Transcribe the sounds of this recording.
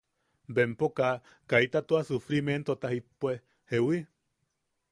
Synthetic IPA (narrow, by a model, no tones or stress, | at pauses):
bempoka | kait̪at̪uasufɾiment̪ot̪ahipːue | hewi